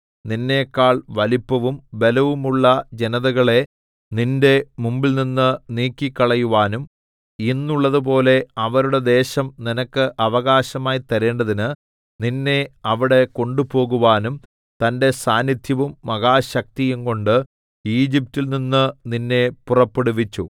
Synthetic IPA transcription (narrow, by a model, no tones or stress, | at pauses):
ninːe̞ːkːaːɭʋɐlipːɐʋumbe̞lɐʋumuɭːɐd͡ʑenɐðɐɣɐɭe̞ | ninde̞mumbilninːɨniːkʲːikːɐɭɐjuʋaːnum | inːuɭːɐðupo̞ːle̞ɐʋɐɾuɽe̞d̪e̞ːɕɐmninɐkːɨʔɐʋɐɣaːɕɐmaːjt̪ɐɾe̞ːɳɖɐðinɨ | ninːe̞ɐʋiɽe̞ko̞ɳɖupo̞ːɣuʋaːnum | t̪ɐnde̞saːnjit̪ʰjɐʋumːɐɣaːɕɐk̚t̪ijumko̞ɳɖɨ | iːd͡ʑip̚tːilninːɨninːe̞purɐpːeɽuʋit͡ɕːu